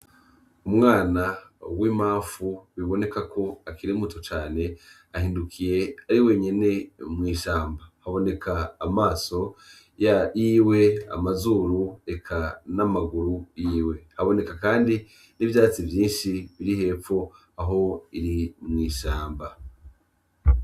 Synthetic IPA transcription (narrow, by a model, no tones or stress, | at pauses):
umŋaːnawimaːfuwiβo̞ne̞kakʰo̞akiɾimutʰut͡ʃaːne̞ | ahiːndukʰije̞aɾiwe̞ɲe̞ne̞mŋiːʃaːmbahaβo̞ne̞kʰaːmaːso̞ | jajiːwe̞a̰mazuːɾuekʰanamaɡuɾujiːwe̞haβo̞ne̞kakaːndi | nivjaːt͡sivjiːnʃiβiɾihe̞ːfo̞ | aɦo̞iɾimŋiːʃaːmba